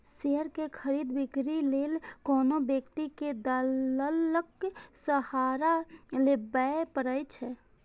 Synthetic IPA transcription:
seəɾkekʰəɾiːd̪bɪkɾileːlkɔːnobjəkt̪iked̪əələksəhaːɾalebəpəɾəjt͡ʃʰɛ

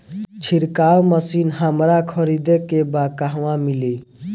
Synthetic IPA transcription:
t͡ʃʰiɾkawməsinɦamɾakʰəɾid̪ekebakaɦʋãmili

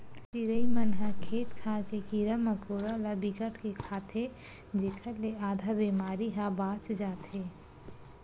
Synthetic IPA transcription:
t͡ʃiɾəimənɦə̃kʰeːt̪kʰaːkekiɾəməkoːɾalabikəʈʰkekʰaːt̪ʰe | d͡ʒeːkʰəɾleaːd̪ʱabemaːɾiɦãbãːt͡ʃd͡ʒaːt̪eː

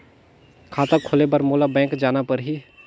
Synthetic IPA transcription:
kʰaːt̪akʰoːlebəɾmoːlabɛ̃ːŋkd͡ʒaːnapəɾɦi

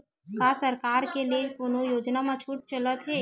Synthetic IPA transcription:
kasəɾkaːɾkeliekʊnojoːd͡ʒnamãt͡ʃʰuːʈ̚t͡ʃələt̪ɦɛː

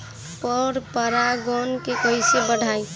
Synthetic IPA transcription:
pɔɾpəɾaɡɔnkekoisebəɽʱaːi

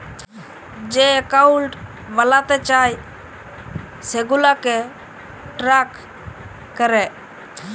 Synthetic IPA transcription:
d͡ʒeːəkaulʈ | ʋəlaːt̪ɛːt͡ʃaːj | seːɡulaːkeː | ʈɾaːkː | əɾɛː

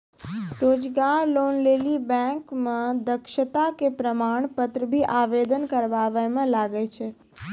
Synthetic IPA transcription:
ɾoːd͡ʒɡaːɾloːnleːlibɛ̃kmãd̪əkʃət̪akepɾəmaːɳ̃pət̪ɾəbʱiʔaːʋed̪ənkəɾʋaʋəjmãlaɡəjt͡ʃʰe

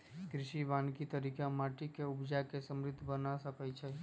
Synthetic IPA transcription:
kɾɪʃiʋãːnkit̪əɾikãmaːʈikeʊbd͡ʒakesəmɾɪd̪ʱːbənasəkət͡ʃʰɛ

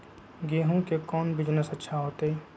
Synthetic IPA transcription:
ɡeːɦõkekɔːnbɪd͡ʒnəsətːʃʰaɦoːt̪eː

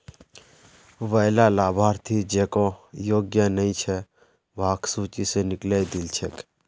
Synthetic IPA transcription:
ʋəːlalaːbʱaːɾt̪ʰid͡ʒeːkõjoːɡjənəĩt͡ʃʰɛ | ʋaːksuːt͡ʃisenɪklejd̪ɪlt͡ʃʰek

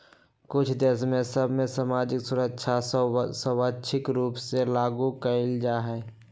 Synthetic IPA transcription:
kʊt͡ʃʰd̪esmẽsəbʱmẽsamaːd͡ʒɪksʊɾəkʃʰasəwatːʃʰɪkɾuːpselaːɡukəɪld͡ʒaɦɛː

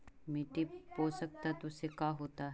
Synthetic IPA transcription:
mɪʈipoːsək̚t̪at̪ʊsekaːɦoːt̪aɦ

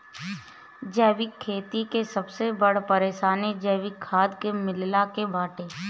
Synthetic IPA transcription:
d͡ʒɛːʋɪkʰːeːt̪ikesɐbsebɐɽpɐɾeːʃaːned͡ʒɛːʋɪkʰːaːd̪kemɪllakebaːʈẽː

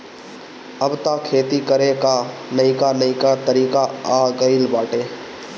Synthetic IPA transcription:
əbt̪aːkʰeːt̪ikəɾekanəĩkanɐĩkat̪əɾiːkaaːɡəɪlbaːʈeː

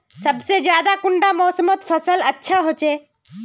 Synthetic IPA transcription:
səbsed͡ʒjaːd̪akʊɳɖamɔːsəmot̪pʰəsələtːʃʰaɦoːt͡ʃe

